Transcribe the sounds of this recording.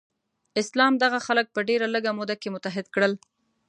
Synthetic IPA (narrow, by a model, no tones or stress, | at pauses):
ɪslɑmd̪aɣaxalək̚pəɖeɾaləɡamod̪akemʊt̪aɦɪd̪kɽəl